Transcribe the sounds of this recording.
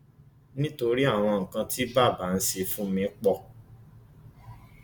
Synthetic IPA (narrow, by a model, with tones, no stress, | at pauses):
nĩ˦to˧ɾi˦a˦˨w̃ɔ̃˧ŋ̩˨kã˧ti˦ba˦˨ba˨˦n̩˦se˧fũ˦mĩ˧˦k͡pɔ˦˨